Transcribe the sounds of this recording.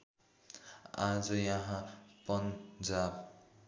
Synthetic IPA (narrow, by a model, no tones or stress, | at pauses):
ad͡zʌjʌɦãpʌnd͡zab